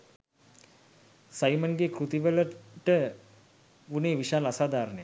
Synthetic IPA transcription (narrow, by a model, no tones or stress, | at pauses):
sajmənɡekɾut̪iʋələʈə | uneːʋiʃaːlasaːd̪aːɾnəjə